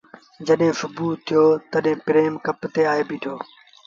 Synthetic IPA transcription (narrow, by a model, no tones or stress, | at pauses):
d͡ʑəɗɦẽːsʊbuːt̪ʰːijoːt̪əɗɦẽːpɪɾeːmkɐpt̪eːaːɦeːbiːʈʰoː